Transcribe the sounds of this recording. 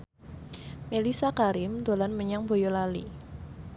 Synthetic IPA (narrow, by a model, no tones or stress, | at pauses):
melisakaɾɪmd̪olanməɲaŋbo̤jolalḭ